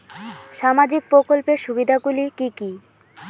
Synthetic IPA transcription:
ʃamad͡ʑik̚pɾokolpeʃubid̪ʱaɡulikiki

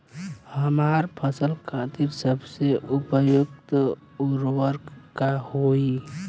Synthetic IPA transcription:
həmaɾpʰəsəlkʰãt̪iɾsəbseʔʊpəjʊɡt̪ | uɾwəɾkkahoi

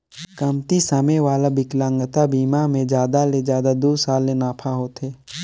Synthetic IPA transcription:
kəmt̪isəmewaːlabɪklãŋɡət̪abiːmamẽd͡ʒjaːd̪aled͡ʒaːd̪ad̪oːsaːlːenaːpʰaɦoːt̪eː

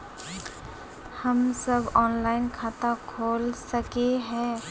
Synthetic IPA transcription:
hɐmsɐbɔːnlaːɪnkʰaːt̪akʰoːlsɐkeɦɛ̃ː

